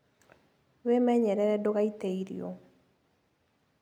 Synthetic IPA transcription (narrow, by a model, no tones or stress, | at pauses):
wemɛɲɛɾɛɾɛdokaiteiɾḭo̰